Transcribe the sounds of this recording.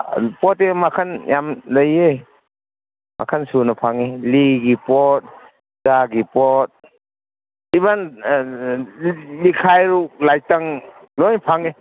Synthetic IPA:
pɔtemakʰanjamləje | mʔa̰kʰansunɐpʰaŋiliɡipɔt̚ | zaɡipɔt̚ | iban | likʰajɾulajtaŋlɔjnpʰaŋi

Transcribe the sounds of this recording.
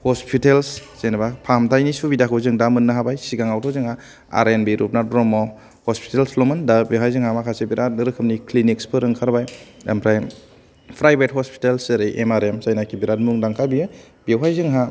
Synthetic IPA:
hɔspʰitelsz̥enbapʰamtʰajnisubidakʰɯwzɯŋdamɯnːɯɦabajsiɡaŋawtʰɔzɯŋha | a̰ɾenbiɾup̚nadɾɔmɔ | hɔspʰi̥telslɔmɯndabiwɦajzɯŋhamakʰasebiɾʔat̚ɾɯkʰɯmniklinikspʰɯɾɯŋkʰaɾbaja̰mpʰɾaj | pʰɾajbet̚hɔspʰi̥telseɾejʔemaɾemsajnakʰibiɾat̚muŋdaŋkʰabiɯ | bewɦajzɯŋɦa

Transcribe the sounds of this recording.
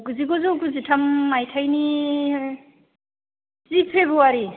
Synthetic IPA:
kuziɡɔzukuzitʰamːajtʰajni | zipʰebɾuaɾi

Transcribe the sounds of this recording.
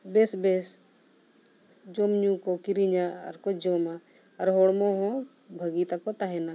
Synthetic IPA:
besbes | d͡ʒomɲũːkokiɾiɲaə̰ɾkod͡ʒoːma | ɐɾɦoːɽmoɦõ | bʱəɡiːt̪akot̪aɦɛna

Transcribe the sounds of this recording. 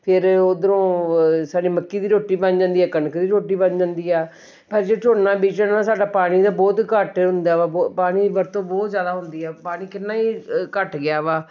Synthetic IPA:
pʰɪɾoːd̪əɾõːsaːɖiːməkːiːd̪iːɾoːʈːiːbənd͡ʒãːnd̪iːɛːkənkd̪iːɾoːʈiːbənd͡ʒãːnd̪iːɛː | pʰəɾd͡ʒeːt͡ʃʰoːnãːbiːt͡ʃənãːsaːɖaːpaːɽ̃iːd̪aːbɔːt̪kəʈɦʊnd̪aːʋaːpaːɽ̃iːbəɾt̪õːbɔːt̪zjaːd̪aːɦʊnd̪iːɛːpaːɽ̃iːkɪnːãːiːkəʈɡɪjaːʋaː

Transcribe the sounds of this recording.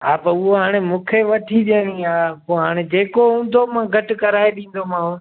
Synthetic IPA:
aːpʊɦoɦaːɽ̃emũːkʰeʋɐʈʰiɗeːɽ̃iaːkoɦaːɽ̃ed͡ʑeːkoɦũːn̆d̪ʱomãːɡʱɐʈʊkɐɾaːeɗĩːn̆d̪omãːʋ

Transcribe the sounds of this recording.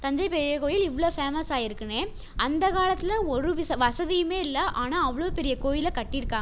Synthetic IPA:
t̪ɐɲd͡ʒɐɪpɛɾɪjeːkoːjɪlɪʋɭoːfeːmɐsaːɪɾɯkːɯneː | ʔɐnd̪ɐkaːlɐt̪ːɪlɐɔɾɯʋɪsɐʋɐsɐðɪjɯmeːɪlːɐʔaːnaːɐʋɐɭoːpɛɾɪjɐkoːjɪlɐkɐʈːɪɾɯkːaːɡ

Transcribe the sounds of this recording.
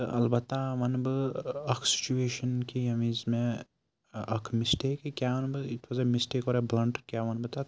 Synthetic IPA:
t̪ɨ̰ʔɐ̰lbɐt̪ːaʋɐnbɨɐkʰsi̥t͡ʃueːʃɐnkiɐmĩzmẽ | ɐkʰmisʈeːkkʲjaʋɐnbɨitʰʋɐzemisʈeːkɔːɾeblɐ̃ɳʈkʲjaːʋɐnbɨt̪a

